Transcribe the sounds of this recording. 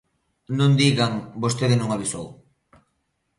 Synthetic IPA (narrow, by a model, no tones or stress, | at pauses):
nund̪iɣaŋbost̪eðenuŋaβiso